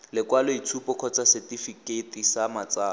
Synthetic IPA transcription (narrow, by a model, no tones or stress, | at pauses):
lɪkwalɔit͡sʰupʼɔkʰɔt͡sʼasɛtifiketisamat͡saː